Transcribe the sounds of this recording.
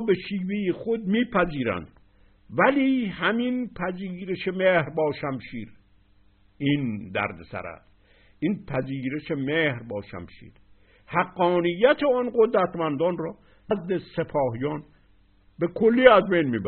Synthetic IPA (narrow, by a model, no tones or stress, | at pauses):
beʃiːvejexod̪̚miːpʰæziːɾæ̰nd̪̥ | væliːhæminpʰæziːɾeʃemehɾbɒːʃæmʃiːɾ | ind̪æ̰ɾd̪esæ̰ɾæ̰s | ʔiːnpʰæziːɾeʃemehɾbɒːʃæ̰mʃḭːɾ | hæɡːɒːnijːæt̪ʰeɔːnɢod̪ɾæt̪ʰmænd̪ɒːnrɒː | næzd̪esepʰɒːɦijɒːn | be̞kʰolːiːæzbejnmiːbæ